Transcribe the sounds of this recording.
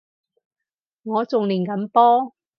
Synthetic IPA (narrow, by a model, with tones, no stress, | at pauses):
ŋɔː˨˧t͡sʊ˨ŋliː˨˩nkɐ˨˧˥mpɔː˥